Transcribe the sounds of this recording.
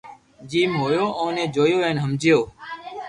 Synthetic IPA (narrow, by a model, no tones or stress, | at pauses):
d͡ʒiːmɦoːjoːʔõːnẽːd͡ʒoːjoːʋeːnɦəmd͡ʒɪjoː